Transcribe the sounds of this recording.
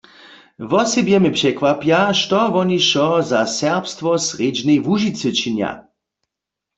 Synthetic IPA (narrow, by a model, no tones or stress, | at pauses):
vɔsɛbjɛmɪpʂɛkʋapjaʃtɔvɔniʃɔzasɛʁpst̪vɔsʁed͡ʒnejvuʒit͡sɨt͡ʃinja̰